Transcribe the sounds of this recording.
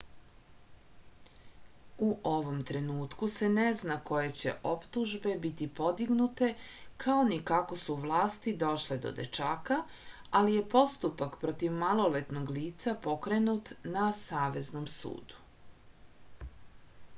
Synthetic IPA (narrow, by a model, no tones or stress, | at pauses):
uʔo̞ʋo̞mt̪ɾe̞nuːt̪kuse̞neznako̞je̞t͡ɕe̞̰ʔo̞pt̪uʒbe̞bit̪ipo̞d̪iɡnut̪e̞kʰaonikako̞suʋlˠaːst̪id̪o̞ʃled̪o̰d̪ḛt͡ʃaːka | alije̞po̞st̪upakpɾot̪iʋmalˠo̞let̪no̞ɡliːt̪sapo̞kɾe̞nut̪nasaːʋe̞znomsṵːd̪̥u̥